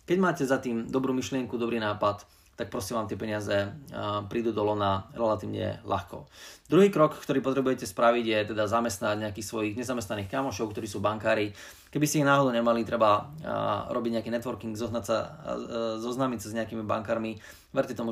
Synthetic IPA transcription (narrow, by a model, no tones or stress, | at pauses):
kɛɟmaːcɛzat̪iːmd̪ɔbɾuːmiʃlɪɛŋkud̪ɔbɾiːnaːpat̪ː | ak̚pɾɔsiɛʋaːmt̪ɪɛpɛɲɪazɛpɾiːd̪uːd̪ɔlɔnaɾɛlat̪iːʋɲɛ̰lʔa̰xkɔ̰d̪ɾuɦiːkɾɔkkt̪ɔɾiːpɔt̪ɾɛbujɛcɛspɾaʋiɟjɛt̪ɛd̪azamɛst̪naɟɲɛakiːxsʋɔjiɣɲɛzamɛst̪naniːxkamɔʃɔʊkt̪ɔɾiːsuːbaŋkaːɾi | kɛbisɛiɣnaːɦɔd̪ɔʊɲɛmalit̪ɾɛba | ɾɔbiɟɲɛakiːnɛt̪ʋɔɾkiŋɡzɔɦnacsa̰ | zɔznaːmicsazɲɛakiːmiba̰ŋkaːɾmi | ʋɛɾcɛt̪ɔmu